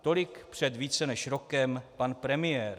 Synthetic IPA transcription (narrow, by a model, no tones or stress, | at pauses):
t̪o̞lɪkpr̝̥ɛd̪viːt͡sɛnɛʃɾo̞kɛmpanpɾɛmɪjɛːɾ